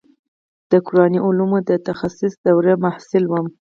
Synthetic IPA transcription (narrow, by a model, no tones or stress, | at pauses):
d̪̥əkʊɾɑniʔʊlumud̪ət̪axasɪsd̪awɾemahsɪlwəm